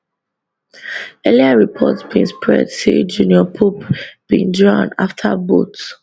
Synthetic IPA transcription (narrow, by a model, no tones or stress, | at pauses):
ɛliaɹipʰɔ̰tsb̥ĩnspʰɹɛ̰dsed͡ʒuniɔpʰopb̥ĩndɹɔ̃naftʰabo̰t